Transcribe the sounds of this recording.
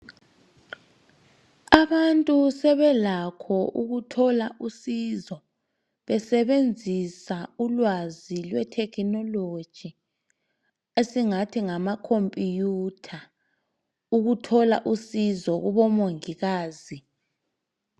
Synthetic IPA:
aβantʼusɛβɛlakʰɔʔuɣutʰɔlaʔusizɔ | βɛsɛβend͡zʱisaulwazilwɛtʰɛkʰnɔlod̥ʒ̥ʱi | esiŋatʰiŋamakʰompʼijutʰa | uɣutʰɔla̰ʔusizɔɣuβɔmoŋiɣaːzi

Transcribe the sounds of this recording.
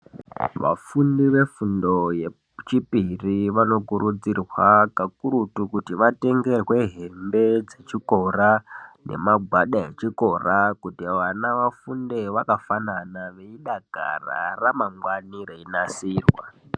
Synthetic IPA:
ʋa̰fundiʋe̞fundo̞je | t͡ʃipiriʋano̞kuɾud͡zirwakakuɾutukutiʋate̞ŋɡe̞rwe̞ɦe̞mbe̞d͡ze̞t͡ʃiko̞rane̞̰maɡʱwaɗae̞t͡ʃiko̞rakutiaʋanaʋafundeʋakafananaʋe̞iɗaɡʱa̰ra̰ramaŋɡwanireinasiːrwa̰

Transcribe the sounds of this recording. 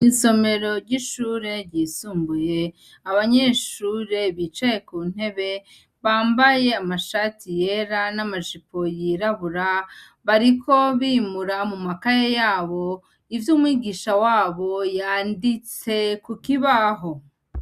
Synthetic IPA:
iso̞me̞ɾo̞ɾɟiʃuːɾe̞ɾɟiːsuːmbuje̞ | aβaɲe̞ʃuːɾe̞βiːt͡ʃaje̞kuːn̥e̞βe̞ | βaːmbaje̞amaʃatijeɾanamaʒipo̞jiɾaβuɾa | βaɾikʰo̞βimuɾamumakajejaːβo̞ | ivjuːmwiːɡiːʃawaːβo̞jaːndit͡se̞kukiβaɦo̞

